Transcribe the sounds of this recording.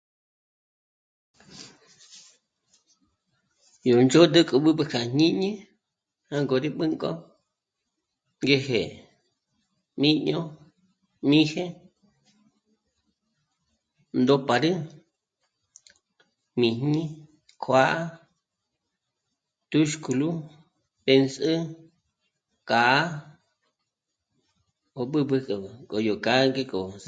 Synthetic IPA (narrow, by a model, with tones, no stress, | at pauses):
jo˨nd͡ʒo˦d̪ɨ˦kʼo˧ɓɨ˦bɨ˧kʰa˨ɲĩ˦ɲĩ˦ | hã˦ŋɡo˨ɾi˦ɓɨ˦ŋkʼo̰˦ | ŋɡe˧hḛ˨ | mĩ˦ɲõ˦ | mĩ˦hẽ˦ | nd̪o˧pa˨ɾɨ˦ | mĩ˨n̥nĩ˦ | kʰʷa˦ʔa˦ | t̪u˦ʃku˧˨lu˦ | pe˧nsɨ˦ | ka˨a˦ | o˧ɓɨ˦bɨ˧kko˨jo˨ka˨˦ŋɡe˦˧ko˨